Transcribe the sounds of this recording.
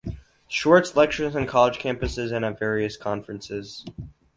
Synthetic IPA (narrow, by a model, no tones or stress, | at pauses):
ʃɔɹtslɛk̚t͡ʃə˞zɨ̃nkʰɑlˠəd̥kʰæ̃mpɨsɪzɨ̃nəvɛɹiɨskʰɑ̃ɱfɹɨ̃nsɪz̥